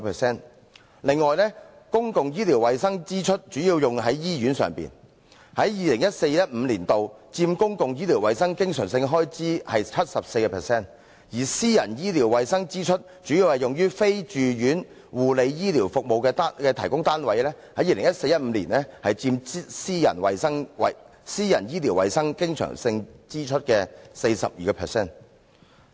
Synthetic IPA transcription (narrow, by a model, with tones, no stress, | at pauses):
pʰɛː˨˩sɛː˥˩n | lɪ˨˧ŋːɔː˨˩jnlɛ˥ | kʊ˥ŋkʊ˨ŋjiː˥liː˨˩wɐ˨jsɐ˥ŋt͡siː˥t͡ʃʰɵ˥t̚t͡ʃyː˨˥jiː˧wjʊ˨ŋɦɐ˨˥jːiː˥jyː˨˥nsœ̰ː˨ŋpḭ˨n | hɐ˨˥jjiː˨lɪ˨˩ŋjɐ˥t̚se˧jjɐ˥t̚m̩˨˧liː˨˩nt̪o˨w | t͡siː˧mkʊ˥ŋkʊ˨ŋjiː˥liː˨˩wɐ˨jsɐ˥ŋkɪ˥ŋsœː˨˩ŋsɪ˧ŋɦɔː˥jt͡siː˥hɐ˨jt͡ʃʰɐ˥t̚sɐ˨p̚se˧jkɛː˧pʰɛː˨˩sɛː˥n | jiː˨˩siː˥jɐ̰˨˩njiː˥liː˨˩wːɐ˨jsɐ˥ŋt͡siː˥t͡ʃʰɵ˥t̚ | t͡ʃyː˨˥jiː˨˧whɐ˨jʊ˨ŋjyː˥fe˥jt͡ʃyː˨jyː˨˥n | wuː˨le˨˧jjiː˥liː˨˩wfʊ˨k̚mo˨wkɛː˧t̪ːkɛː˧t̪ʰɐ˨˩jkʊ˥ŋt̪aː˥nwɐ˨˥jlɛː˥ | hɐ˨˥jiː˨˧lɪ˨˩ŋjɐ˥t̚se˧jɐ˥t̚m̩˨˧liː˨˩nɛ˥hɐ˨jt͡siː˧m˥siː˥jɐ̰˨˩nwɐ̰˨jsɐ˥ŋɐ̰˨ | siː˥jɐ̰˨˩njiː˥liː˨˩wɐ̰˨jsɐ˥ŋkɪ˥ŋsʰœ̰ː˨˩ŋsɪ˧ŋt͡siː˥t͡ʃʰɵ˥t̚kɛː˧se˧jsɐ̰˨p̚jiː˨kɛː˧pʰɛː˨sɛː˥˩n